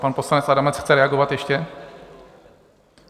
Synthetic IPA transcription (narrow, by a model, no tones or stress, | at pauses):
panpo̞slanɛt͡sadamɛt͡sxt͡sɛɾɛaɡovat̪jɛʃcɛ